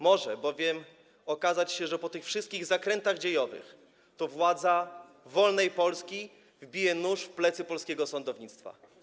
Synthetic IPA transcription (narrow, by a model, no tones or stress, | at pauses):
mɔʐɛbɔvʲjɛm | ɔkazat͡ɕɕɛʐɛpɔt̪ɘxfʂɘst̪̚kʲiɣzakɾɛnt̪aɣd͡ʑejɔvɘ̰x | t̪ɔvwad̪za | vɔlnɛjpɔlskʲi | vbʲijɛnuʂfplɛt̪sɘpɔlskʲɛɡɔsɔnd̪ɔvɲit̪st̪fa̰